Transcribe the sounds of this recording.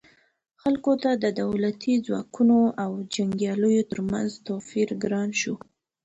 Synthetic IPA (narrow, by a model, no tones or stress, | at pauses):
xalkot̪ad̪əd̪awlat̪ʰid͡zwɑ̰kunoʔawd͡ʒaŋɡjɑləjot̪əɾma̰nzt̪ofiɾɡɾɑnʃu